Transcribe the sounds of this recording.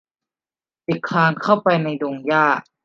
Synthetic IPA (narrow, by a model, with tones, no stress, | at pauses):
p̪i˨˩kʰːaː˧ŋkʰa˥˩wpa˧jna˧jdoː˧ŋjaː˥˩ʔ